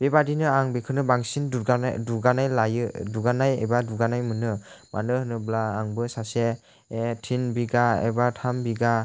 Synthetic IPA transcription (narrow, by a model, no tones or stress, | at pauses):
b̥ebadinɯaŋbekʰɯnɯbaŋsinduɡaduɡanajlajɯduɡanajḛbaduɡanajmɯnɯma̰nɯhɯnɯblaːŋbɯsaseː | tʰinbiɡaḛbatʰambiɡa